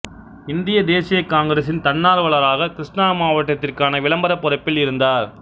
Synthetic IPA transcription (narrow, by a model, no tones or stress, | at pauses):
ɪnd̪ɪjɐd̪eːsɪjɐkːaːŋɡɾes̬ɪnt̪ɐnːaːɾʋɐɭɐɾaːɣɐkɪɾɪʂʈɳaːmaːʋɐʈːɐt̪ːɪrkaːnɐʋɪɭɐmbɐɾɐpːʊrɐpːɪlɪɾɯnd̪aːɾ